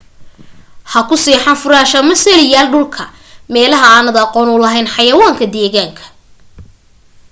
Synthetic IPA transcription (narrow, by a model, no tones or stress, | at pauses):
hɐkʰʊsiːħɑnfʊɾaːʃɐmɐsɛlɪjaːlɖʊlkʰɐ | mɛːlɐɦɐaːnɐd̪ɑqɔːnʊlɐɦɛjnħɑjɐwaːŋkʰɐd̪ɛːɣaːŋkʰɐ̥